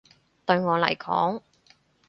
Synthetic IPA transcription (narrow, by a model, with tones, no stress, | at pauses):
t̪ɵ˧ɥŋɔː˨˧lɐ̰˨˩jkʰɔ̰ː˨˥ŋ